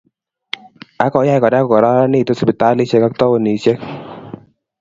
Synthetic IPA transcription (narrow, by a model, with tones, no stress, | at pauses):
a˦kɔ˨˦ja˧jkɔ˨da˦kɔ˨kɔ˨ɾa˦ɾa˦ni˨t̪o˦spi˨t̪a˦li˦sɛ˦ka˦k̚t̪ɔ˦o˨ni˨˦se˦k